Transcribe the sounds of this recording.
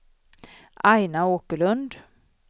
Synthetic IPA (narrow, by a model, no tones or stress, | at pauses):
ʔajnaoːkəɭɵnd̪